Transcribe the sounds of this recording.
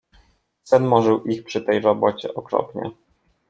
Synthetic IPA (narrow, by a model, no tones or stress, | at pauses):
sɛnmɔʐɘwʔixpʂɘt̪ɛjvabɔt͡ɕɛʔɔkɾɔ̰pɲɛ̰